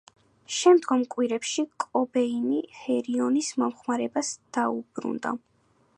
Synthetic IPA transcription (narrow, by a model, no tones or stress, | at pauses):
ʃɛmd̪ɡɔmkʼwiɾɛpʃikʼɔbɛinihɛɾiɔnismɔmχmaɾɛbasd̪̥aub̥ɾṵnd̪a̰